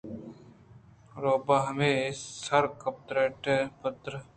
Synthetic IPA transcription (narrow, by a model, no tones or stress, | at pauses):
ɾoːbaːɦɐmeːsɐɾkɐp̚t̪ɾeːʈɛpət̪ɾə